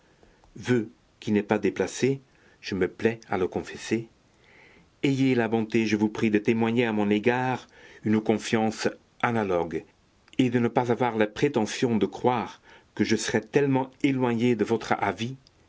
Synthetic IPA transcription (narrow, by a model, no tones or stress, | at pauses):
vø | kinɛpad̪eplase | ʒ̥əməplɛa̰ləkɔ̃fɛse | ejelabɔ̃t̪eʒəvupχid̪ət̪emwaɲeamɔ̃neɡaːʁynəkɔ̃fjɑ̃s | analɔɡ | ed̪ənəpazavwaʁlapχet̪ɑ̃sjɔ̃d̪əkχwaːʁkəʒəsəʁɛt̪ɛlmɑ̃elwaɲed̪əvɔt̪χavi